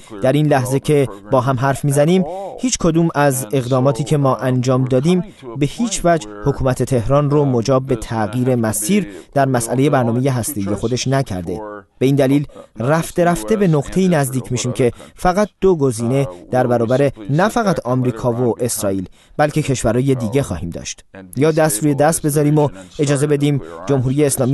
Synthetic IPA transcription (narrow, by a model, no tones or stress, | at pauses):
d̪̥æɾinlæhze̞cʰe̞bɒːɦæmɦæɾfmiːzæniːmhiːt͡ʃʰkʰo̞d̪uːmæze̞ɣd̪ɒːmɒːt̪ʰiːcʰe̞mɒːʔænd͡ʒɒːmd̪ɒːd̪iːm | be̞hiːt͡ʃʰvæd͡ʒ | ho̞kʰuːmæt̪ʰe̞t̪ʰe̞hɾɒːnromod͡ʒɒːb̚ːe̞t̪ʰæɣiːɾe̞mæsiːɾd̪̥æɾmæsʔæle̞je̞bæɾnɒːme̞je̞ɦæst̪e̞ije̞xo̞d̪e̞ʃnæcʰæ̰ɾd̪e̞b̥e̞iːnd̪æliːlræft̪e̞ɾæft̪e̞be̞noɡt̪ʰe̞iːnæzd̪iːcʰmiːʃiːmcʰe̞fæɣæt̪̚d̪̥oɡo̞ziːne̞d̪̥æɾbæɾɒːbæɾe̞næfæɣæt̪ʰɒmɾiːkʰɒːvoʔe̞sɾɒːiːl | b̥ælcʰe̞cʰe̞ʃvæɾɔːje̞d̪iːɟe̞xɒːhiːmd̪ɒ̰ʃt̪jɒːd̪æst̪ɾuːje̞d̪æst̪̚be̞zɒːɾiːmoe̞d͡ʒɒːze̞be̞d̪iːmd͡ʒo̞mɦuːɾijeːslɒːmi